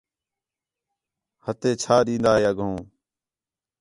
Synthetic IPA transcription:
hət̪eːt͡ʃʰaːɗĩːnd̪aːɦeːəɡõː

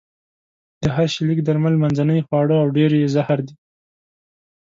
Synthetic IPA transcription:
d̪̥əɦaɾʃɪlikd̪aɾmalmanzanəjxwɑɽəawɖeɾjezahaɾd̪i

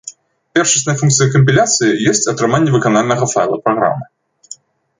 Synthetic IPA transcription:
pʲɛrʂɨsʲnɐjɐfunkt̪sɨjɐkəmʲpʲilʲat̪sɨjijɛsʲt͡sʲɐt̪ɾɨmanʲːɛvɨkanalʲnɐɣɐfa̰jlˠɐ̰pɾɐɣɾa̰mːɨ

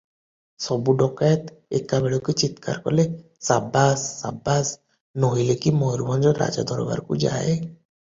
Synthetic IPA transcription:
sɔbuɖɔkajɔt̪ | ḛkːabeɭoket͡ʃit̪ka̰ɾkɔ̰le | sabasːa̰bas | noɦijlekimɔjɾubɔnd͡ʒɔɾːa̰d͡ʒa̰d̪ʱɔɾɔba̰ɾkṵd͡ʒa̰e

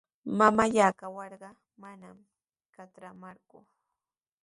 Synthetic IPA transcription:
mamaʎaːkawɑɾɢɑ | manam | kat̪ɾamaɾkʊ

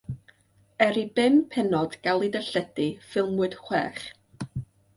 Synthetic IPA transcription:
ɛɾibɪmpʰɛnɔd̥ɡ̥alˠɨdəɬədifɪlˠmʊɨd̥χwɛ̰ːχ

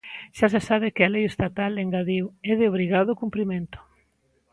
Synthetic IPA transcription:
ʃasesaβɪkɪalejest̪at̪aleŋɡaðiwɛðɪoβ̞ɾiɣaðʊkumpɾimẽnt̪ʊ̥

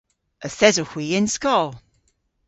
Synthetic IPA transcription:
ʔəθɛzəhw̥iːɪ̃nskɔlˠ

